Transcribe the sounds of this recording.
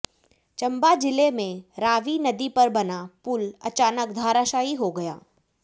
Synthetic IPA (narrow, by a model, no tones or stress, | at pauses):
t͡ʃɐ̃mbad͡ʒɪlemẽɾaːʋinɐd̪ipɐɾbɐnapʊlɐ̰t͡ʃaːnək̚d̪ʱaːɾaːʃaːiɦoɡɐja̰ː